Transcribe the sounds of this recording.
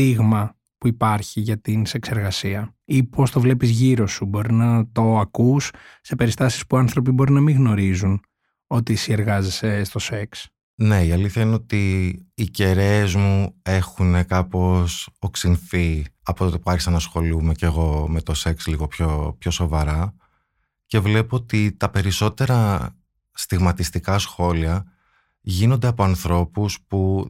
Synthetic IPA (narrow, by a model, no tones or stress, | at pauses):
iɣmɐ | puipɐɾçiʝɐt̪inse̞kse̞ɾɣɐsiɐ | ipo̞st̪o̞vle̞pizʝiɾo̞subo̞ɾinɐt̪o̞ɐkusː | e̞pe̞ɾist̪ɐsi̥spuɐnθɾo̞p̬ibo̞ɾinɐmiɣno̞ɾizun | o̞t̪isie̞ɾɣɐzese̞st̪o̞se̞ks | ne̞iɐliθçɐineo̞t̪iːce̞ɾeːzmue̞xune̞kɐpo̞soksinθiɐpot̪ot̪epuɐɾçisɐnɐsxo̞lume̞ce̞ɣo̞me̞t̪o̞se̞ksliɣo̞pçopço̞so̞vɐɾɐ | ce̞vle̞poot̪it̪ɐpe̞ɾiso̞t̪e̞ɾɐ | st̪iɣmɐt̪ist̪ikɐsxo̞liɐ | ʝino̞nd̪eɐpo̞ɐnθɾo̞puspu